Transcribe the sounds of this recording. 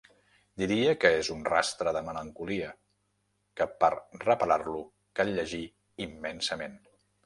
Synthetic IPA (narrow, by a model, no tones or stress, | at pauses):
d̪iɾiəkəezunra̰st̪ɾəðəmələŋkuliə | kəpəɾrəpəlarlu | kalʎəʒi | imːɛnsəmen